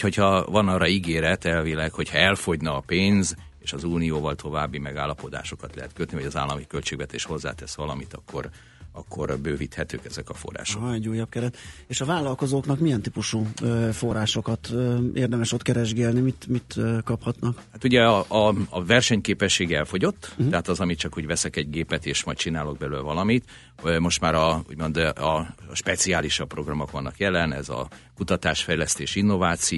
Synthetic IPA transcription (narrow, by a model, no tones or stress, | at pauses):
ho̞chɒvɒnɒːrɒiɡeːɾɛt̪ɛlvilɛkho̞chɒɛlfo̞ɟnɒːpeːnz | eːʃɒzuːnijoːvɒlt̪ʰo̞vaːbːimɛɡaːlːɒpo̞d̪a̰ːʃo̞kɒt̪lɛ̰ɦɛt̪køt̪niɦɒɟɒza̰ːlːɒmikølt͡ʃeːɡvɛt̪ḛːʃho̞zːa̰ːt̪ɛsʋɒlɒmit̪ɒkʰːo̞̰r | ɒkːo̞̰rbøːvit̪hɛt̪ø̰ːkɛzɛkɒfo̰rːa̰ːʃoɛɟuːjːɒp̚kɛɾɛt̪eːʃɒvaːlːɒlko̞zoːknɒkmijɛnt̪ipuʃufo̞raːʃo̞kɒt̪øːʔeːrd̪ɛmɛʃo̞t̪kɛɾɛʒɡɛlnimit̪mit̪ːkɒphɒt̪nɒkhat̪uɟɛɒɒːvɛrʃɛɲkeːpɛʃːeːɡɛlfo̞ɟo̞t̪ːɛɦat̪ɒzɒmit͡ʃɒkhoɟvɛsɛkɛɟɡeːpɛt̪eːʃmɒjt̚t͡ʃinaːlo̞ɡ̚bɛløːlvɒlɒmit̪ | mo̞ʃt̪maːɾɒṵɟmo̞nd̪ɒʃpɛt̪siaːliʃɒpro̞ɡrɒmo̞kʋɒnːɒkjɛlɛnɛ̰zɒ̰kut̪ɒt̪aːʃfɛjlɛst̪eːʃinːo̞vaːt̪si